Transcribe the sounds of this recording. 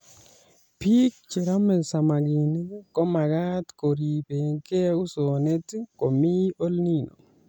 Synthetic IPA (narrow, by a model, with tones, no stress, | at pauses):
pi˦k̚t͡ʃe˨ɾa˦me˨sa˨ma˨ɡi˨ni˦kɔ˦ma˨ɡa˦t̪ko˨ɾi˨pe˨ŋke˦ʊ˦so˨ne˦t̪ko˨mi˦o˦lni˦no̰˨